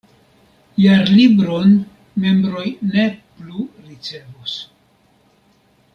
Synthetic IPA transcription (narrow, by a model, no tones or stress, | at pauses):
jaɾlibɾo̞n | me̞mbɾo̞jne̞pluɾit͡se̞vus